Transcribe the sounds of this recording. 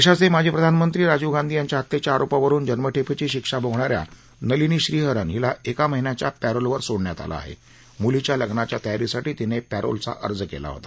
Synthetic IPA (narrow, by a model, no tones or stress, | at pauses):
eɕat͡semad͡ʑʱiːpɾəd̪ʱanmənt̪ɾiːɾad͡ʑuɡand̪ʱiːjaɲt͡ɕjaɦət̪ːet͡ɕjaːɾopaʋəɾuːnd͡ʑənməʈʰepet͡ɕiːɕikʂaboɡʱɳaɾja̰ | nəliniːɕɾiːɦəɾənɦilaʔekaməɦinjat͡ɕjapæɾolʋəɾsoɽɳjat̪a̰la̰a̰ɦḛ | mulit͡ɕjaləɡɳat͡ɕjat̪əjaɾisaʈiːt̪inepæɾo̰lt͡sa̰ʔə̰ɾd͡zkḛla̰ɦo̰t̪ḁ